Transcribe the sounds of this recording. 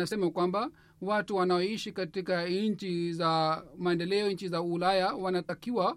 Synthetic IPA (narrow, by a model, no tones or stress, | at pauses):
asɛmakwamba | watuwanaɔiʃikatikaɲ̩t͡ʃizamaɛndɛlɛɔɲ̩t͡ʃizaulajawanatakiwa